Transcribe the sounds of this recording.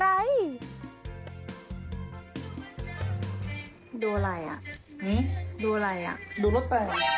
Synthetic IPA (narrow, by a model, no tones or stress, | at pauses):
ɾai | dolaja̰ʔ | nidolaja̰dulʊt̪̚ːa